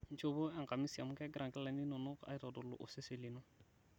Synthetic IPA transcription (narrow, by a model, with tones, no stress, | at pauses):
n̩˦t͡ʃo˦bo˦ɛ˦˨ŋka˨mi˦sa˨mu˦kɛ˦ɡɾa˨ŋkɛ˦lɛ˨ni˦nʊ˨nʊ˦ka̰˨jtɔ˨dʊ˨lʊ̰˨ʔʊ˨se˦se˨li˨nʊ˦